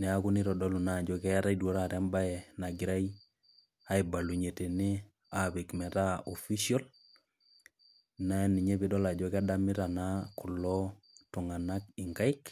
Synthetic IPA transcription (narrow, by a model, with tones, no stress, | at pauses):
nɛ˨a˦ku˦ni˦ɾɔ˨dɔ˦lu˨na˦˨d͡ʒɔ˦kɛ˦a˦ɾa˦idwɔ˦ɾa˦˨ɾɛ˦mba˦ɛ˨na˨ɡɪ˨˦ɾa˦ji˦ | a˦i˨ba˨lu˨ɲe˨te˨ni˦ | a˨be˨kmɛ˨ta˦o˨fi˦ʃiɔ˦l | na˦ɛ˦ni˨ɲɛ˦be˦dɔ˦la˨d͡ʒɔ˦ka˦da˦mi˦ɾa˨na˦ku˨lɔ˦tu˨ŋa˨na˦kɪ˨ŋɡa˦ɪ˦k